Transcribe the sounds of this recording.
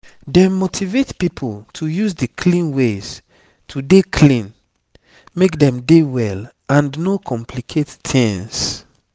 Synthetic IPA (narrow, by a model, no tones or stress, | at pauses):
dɛ̃motʰivetpipʰoltʰujuzdikʰlĩnwez̥ | tʰudekʰlĩn | mekdɛ̃mdewɛl | ãnnokʰɔ̃mpʰlikʰettʰɛ̃ns